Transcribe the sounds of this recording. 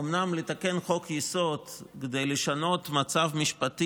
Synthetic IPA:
omnamlet̪ake̞nχo̞kjiso̞tked̪ejleʃano̞t̪mat͡savmiʃpat̪i

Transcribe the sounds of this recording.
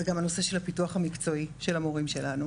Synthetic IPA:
zeɡamano̞se̞ʃe̞lhapituɐχamikt͡so̞iʃe̞lamoʁimʃe̞lanu

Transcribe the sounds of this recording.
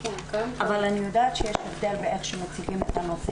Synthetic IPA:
ʔavalanijod̪aːt̪ʃejeʃevd̪elbeeχʃemat͡siɡimet̪amot͡s

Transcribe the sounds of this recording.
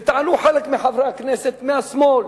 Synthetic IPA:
t̪ʕanuːħalakmɪħavɾˤɑkneːsɪt̪mɪasmoːl

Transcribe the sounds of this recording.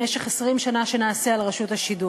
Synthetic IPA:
meʃeχesʁimʃanaʃe̞naːsealʁaʃuthaʃidu

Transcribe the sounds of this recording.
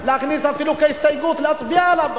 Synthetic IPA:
leaχnisafilukahist̪ajɡut̪leat͡sbialab

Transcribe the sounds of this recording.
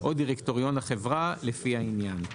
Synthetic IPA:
ʔodiʁekto̞ʁijo̞naχevʁalefihainjan

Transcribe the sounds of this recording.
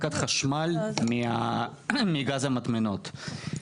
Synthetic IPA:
kat̪χaʃmalmia | miɡazamat̪menot̪

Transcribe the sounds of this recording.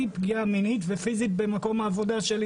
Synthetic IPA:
ipɡiaminitve̞fizit̪̚be̞mako̞maːvo̞daʃe̞l

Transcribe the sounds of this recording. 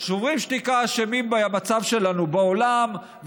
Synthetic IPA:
ʃuʁimʃtikaʃemimbamat͡savʃe̞lanubeolam

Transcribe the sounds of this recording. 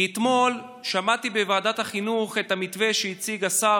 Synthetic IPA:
et̪mo̞l | ʃamat̪ibevaːdathaχinuχet̪hamitve̞ʃeit͡siɡasa

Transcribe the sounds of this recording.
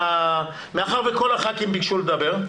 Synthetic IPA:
a | meaχaʁvekolaχakimbikʃuled̪abe̞ʁ

